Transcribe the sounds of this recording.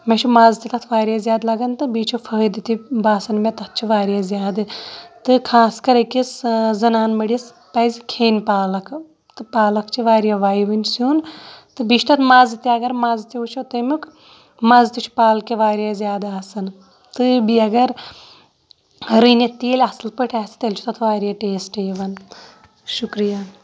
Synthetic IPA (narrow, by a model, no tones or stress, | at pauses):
met͡ʃʰumaːzt̪it̪ɐt̪ʰʋaːɾjazʲjaːd̪lɐɡɐnt̪ɨbit͡ʃʰufʰɐd̪ɨt̪ibaːsɐnmet̪ɐt̪̚ʰt͡ʃʰiʋaːɾʲjazʲjaːd̪ɨt̪ɨkʰaːskɐɾɐkiszɐnaːnmɐɽis | pɐːzʲikʰeːnpaːlɐkʰ | t̪ɨpaːlɐkʰt͡ʃʰiʋaːɾjaʋaːjʋɨnʲd͡ʒsuːnt̪ɨbit͡ʃʃt̪ɐt̪ʰmazt̪iɐɡɐɾmɐzt̪iut͡ʃʰot̪ɐmuk | mazt̪it͡ʃʰi̥paːlkeʋaːɾjaːzʲjaːd̪aːsɨn | t̪ɨbiɐɡɐɾ | ɾɨnet̪eːlʲɐslpɐʈʲaːsi̥t̪elʲt͡ʃʰu̥t̪ɐt̪ʰʋaːɾijaʈeːsʈeːʋɐn | ʃukɾija